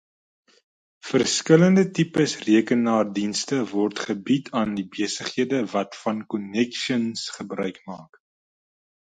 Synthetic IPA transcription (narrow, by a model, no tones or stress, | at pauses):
fərskələndətipəsriəkənːɑːrdinstəvɔrtχəbitʰɑːndibeəsəχhiədəvɐtfɐnkɔnɛkʃənsχəbrœɥkmɑ̰ːk